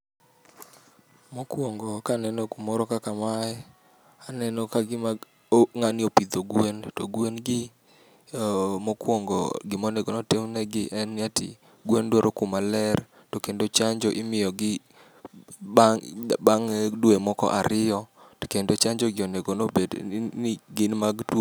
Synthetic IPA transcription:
mokwɔŋɡɔkanɛnokumɔɾɔkakamaɛ | anɛnɔkaɡɪma | ŋanɪopid̪oɡwentoɡwenɡɪ | mokwoŋɡɔ̰ɡɪmoneɡonotemnɛɡɪʔɛnːjatɪ̰ | ɡwendwoɾʔokʊmalɛr | tokendot͡ʃaɲd͡ʒɔʔɪmɪjɔɡɪ | baŋdwemɔkɔ̰ʔaɾɪjɔtkendot͡ʃaɲd͡ʒɔɡɪoneɡonobednɪɡɪnmaɡtw

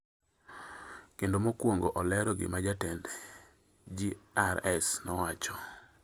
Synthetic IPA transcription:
kendomokwoŋɡoʔɔlɛɾɔɡɪ̰mad͡ʒatɛnd | d͡ʒiaɾɛsnɔwat͡ʃɔ

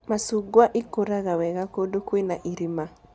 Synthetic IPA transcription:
masuɡwaʔɪkoɾaɣawɛɣakodokwenaʔiɾima

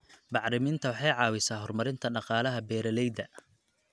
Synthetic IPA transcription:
bɑħɾɪmɪnt̪ʰɐwɑħɑjʕɑːwɪsaːɦɔrmɐɾɪnt̪ʰɐɖɑqɑːlɐɦɐbɛːɾɐlɛjd̪ɐ

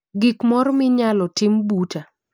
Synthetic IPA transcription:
ɡikmɔrmɪɲalɔtɪmbuta

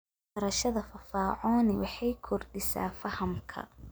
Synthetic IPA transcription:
ɐɾɐʃɐðɐfɐfaːʕɔːnɪwɑħɑjkʰɔrdɪsa̰ːfɐhɐmkʰɐ̰

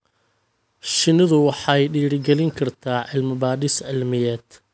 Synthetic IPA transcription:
ʃɪnɪðʊwɑħɑjɖiːɽɪɡɛlɪŋkʰɐrt̪ʰaːʕɪlmɪbaːdɪsʕɪlmɪjɛːd̪̥

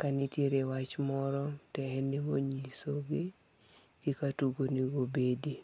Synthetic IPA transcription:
kanɪtjeɾewat͡ʃmɔɾɔtɛhɛnɪmoɲisoɡe | ɡ̥ikatuɡoniɡobedi

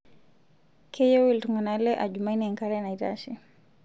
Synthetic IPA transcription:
kʰɛjɔwiltɔŋɡanalɛʔaʄumainiaŋkaɾɛnaita̰ʃi

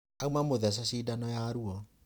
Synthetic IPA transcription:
aumamoðɛs̬aɕiːdanɔjaɾuɔ

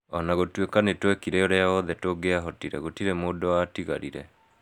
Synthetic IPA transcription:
ɔnaɣotwekanetwɛkiɾɛoɾeaɔðɛtoɡeaɦɔtiɾɛɣotiɾɛmoːdoatiɣa̰ɾḭɾɛ̰

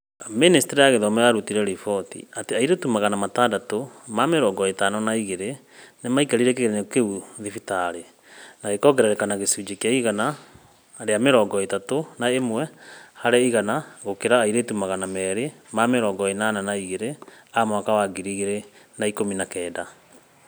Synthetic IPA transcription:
ministeɾiaɣeðɔmɛaɾutiɾɛɾifɔtḭateaiɾetumaɣanamatadatomameɾɔːŋɡɔetanɔnaiɣeɾe | nemaikaɾiɾek̬eɣeɾenekeuðifitaɾe | naɣekɔɡɛɾaɾekanaɣesud͡ʒekeaiɣana | ɾeameɾɔːŋɡɔetatonaemwɛhaɾɛiɣanaɣokeɾaːiɾetumaɣanamɛːɾemameɾɔːŋɡɔenananaiɣeɾeamwakawaɡiɾiɣeɾenaikominakɛːda

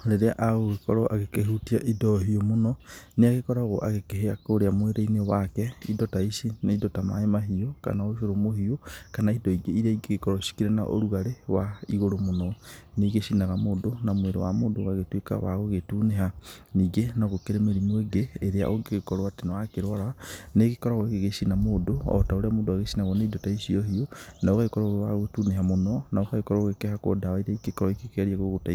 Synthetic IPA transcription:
ɾeɾeaʔaɣoɣekɔ̰ɾɔʔaɣekeɦutia̰ʔidɔɦiɔmonɔneaɣekɔɾaɣɔʔaɣekeɦeakoɾeamweɾeinewakɛidɔtaisinaidɔtama̰emaɦioka̰naoʃoɾomohiokanaidɔiɡeiɾaiɡeɣekɔɾɔʃi̥kiɾena̰ʔo̰ɾuɣaɾewaiɣoɾomonɔneɣeʃinaɣamodonamweɾewa̰moːndoːɣaɣetweka̰wa̰ɣoɣetuneɦaniɡenaɣokeɾemeɾimoeɡeːɾea̰ʔoɡeɣekɔɾoatenawakeɾwaɾaneɣekɔɾaɣɔeɣeɣeʃinamoːdoɔ̰taoɾeamoːndoaɣeʃinaɣɔneidotaiʃiohionaoɣaekɔɾaoɣewaɣetuneɦamonɔnaokaɣekɔɾaoɣekehako̰dawaiɾeiɡekɔɾɔikekeɾiaɣoɣotai

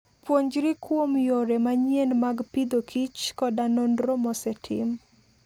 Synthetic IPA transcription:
pwoɲd͡ʒɾikwomjoɾemaɲjenmaɡpid̪okʰit͡ʃkɔdanondɾomɔsɛtʰɪ̰m

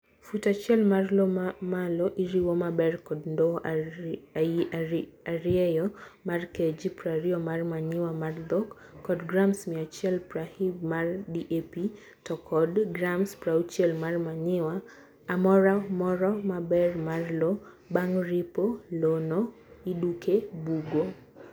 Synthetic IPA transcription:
futat͡ʃjɛlmarlɔmalɔʔiɾiwɔmabɛrkɔdndɔ | aaɾiɛjɔmarked͡ʒipɾaɾiɔmarmaɲɪwamard̪ɔkː | ɔdɡɾamsmiat͡ʃjɛlprahibmardiʔepi | tɔkɔdɡɾamspɾaut͡ʃjɛlmarmaɲɪwaː | mɔɾamɔɾɔmabɛrmarlo | baŋripolono | idukebuɡo

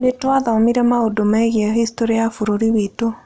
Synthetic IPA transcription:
netwaðaomiɾɛmaodomɛɣiɛɣistoɾiafuɾoɾiwito

